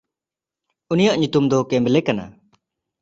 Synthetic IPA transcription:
unijaʔɲut̪umd̪ɔkɛmbɛlɛkana̰

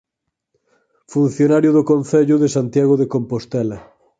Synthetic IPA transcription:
fun̟θjonaɾjʊðʊkonθɛʎʊðesant̪jaɣoðekompost̪ɛlɐ

